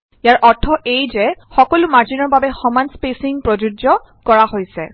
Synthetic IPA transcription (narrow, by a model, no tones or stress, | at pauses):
ijaɹʔɔɹtʰːɔʔejzɛxɔkɔlʊmaɹzinɔɹbabɛxɔmanspesiŋpɹɔd͡ʒud͡ʒɔ | kɔɹaɦojsɛ